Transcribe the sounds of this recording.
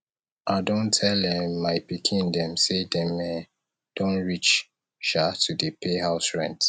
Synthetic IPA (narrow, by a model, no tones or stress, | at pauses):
ʔadõntʰɛldɛ̃mːaɪpikʰĩndɛ̃msedɛ̃mɛ̃n | d̥õnɹit͡ʃ | ʃatʰudəpʰehaʊsɹɛ̰̃nt